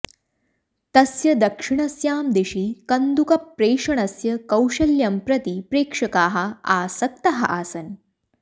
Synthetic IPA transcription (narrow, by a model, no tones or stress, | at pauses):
t̪ɐsjɐd̪ɐkʂiɳɐsjaːmd̪eɕiːkɐnd̪ukɐpːɾeːʂɐɳ̃ɐsjɐkɐwʂɐljɐmpɾɐt̪ipɾeːkʂɐkaːɦɐaːsɐk̚t̪ɐɦɐ̰ʔaːsɐn